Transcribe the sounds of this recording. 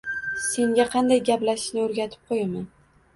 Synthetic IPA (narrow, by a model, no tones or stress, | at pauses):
se̞ŋɡʲaqʰɑnd̪ajɡʲaplaʃɪ̥ʃnɪoɾɡʲat̪ʰɪ̥p̚qʰojaman